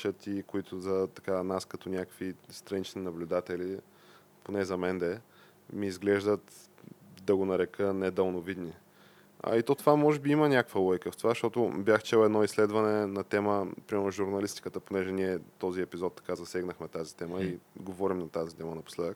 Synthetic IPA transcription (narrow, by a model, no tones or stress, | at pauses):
t͡ʃət̪ikoit̪ʊzɐt̪ɐ̥kanaskɐt̪ɔnʲakəkvist̪ɾɐnit͡ʃninɐblʲʊd̪at̪ɛli | ponɛzɐmɛnd̪ɛ | miːzɡlɛʒd̪ət̪ | d̪ɐɡonɐɾɛkənɛd̪əlˠnovid̪ni | ɐ̰it̪ɔt̪ovamɔʒɛbiimənʲakəkvəlˠɔjkəft̪ovaʃt̪ɔt̪ʊbjaxt͡ʃɛlˠɛd̪nɔislɛd̪vɐnɛnɐt̪ɛməpɾimɛɾnʊʒuɾnɐlist̪i̥kət̪əponɛʒɛniɛt̪ɔziɛpizɔt̪ːɐ̥kazɐsɛɡnəxmɛt̪azit̪ɛməiɡovɔɾimnɐt̪azit̪ɛmənɐpo̥slɛd̪ək